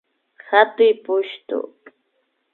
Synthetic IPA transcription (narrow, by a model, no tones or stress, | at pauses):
hat̪ʊjpʊʃt̪ʊ̰